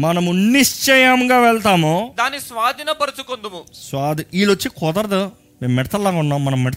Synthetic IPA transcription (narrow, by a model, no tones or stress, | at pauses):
mɐnɐmuniʂt͡ʃɛjɐmɡaːʋɛɭt̪aːmud̪aːnisʋaːd̪ʱinɐbɐɾɐt͡ʃukond̪umusʋaːd̪iiːlʋot͡ʃːikɔːd̪ɐɾɐd̪ɐ | meːmːɛʈɐt̪ɐlːaːɡuɳːaːmːɐnɐmːɛɖɐt̪